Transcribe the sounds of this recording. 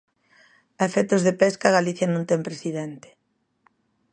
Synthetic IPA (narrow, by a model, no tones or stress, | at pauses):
ɐefɛt̪ozðepɛskaɣaliθjɐnõnt̪ɛmpɾesiðent̪e̥